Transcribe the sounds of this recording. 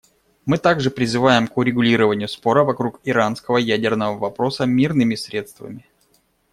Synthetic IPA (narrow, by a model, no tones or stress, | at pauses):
mɨt̪aɡʐɨpɾʲɪzɨvajɪmkʊɾʲɪɡʊlʲiɾəvənʲɪjʊspo̞ɾəvɐkɾukɪɾanskəvəjædʲɪrnəvəvɐpɾo̞səmʲirnɨmʲɪsɾʲe̞t̪st̪və̰mʲɪ